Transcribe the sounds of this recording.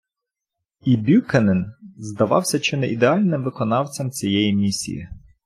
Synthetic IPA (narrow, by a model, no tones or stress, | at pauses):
ibʲukɛnɛnzd̪ɐʋɑ̰wsʲɐt͡ʃɪnɛʔid̪eɑlʲnɪmʋɪkɔnɑwt͡sʲɐmt͡sʲijɛjimʲisʲḭjḭ